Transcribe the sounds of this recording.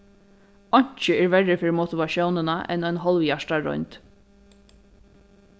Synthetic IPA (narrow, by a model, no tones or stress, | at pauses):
ɔɲ̥t͡ʃəɛːɹvɛɹɪfɪɾmot̪ɪʋaʃjɔwnənaʔɛ̰nɔjnɦɔlʋjaʂʈaɹɔ̰jɲnt̪